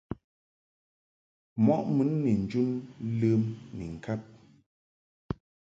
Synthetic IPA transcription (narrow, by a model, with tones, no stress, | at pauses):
mɔ˦ʔmɨ˨˦nːi˨n̩˨d͡ʒu˦nlə˦mnḭ˨ŋ̩˨kʰa˦p̚